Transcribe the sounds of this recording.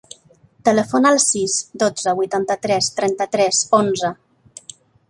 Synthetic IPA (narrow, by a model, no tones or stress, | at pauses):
t̪ələfonalˠsizd̪od͡zəβujt̪ant̪ət̪ɾɛst̪ɾɛnt̪ət̪ɾɛzonzə